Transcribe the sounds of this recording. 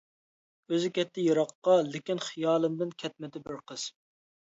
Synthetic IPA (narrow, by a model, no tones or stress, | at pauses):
øzɪkʲʰɛt̪ʰːɪjiɾɑqːɑlɪkʲinχijɑːlˠɨmd̪ɪnkʲʰɛt̪̚mɪd̪ɪbɪɾqʰəz̥